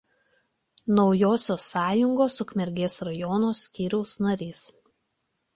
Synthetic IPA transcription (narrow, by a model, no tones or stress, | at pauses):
nɒʊjoːsʲoːsːɑːjʊŋɡoːsʊkmʲɛɾʲɡʲeːsɾɐjɔnoːsʲkʲiːɾʲɛʊsnɐɾʲiːs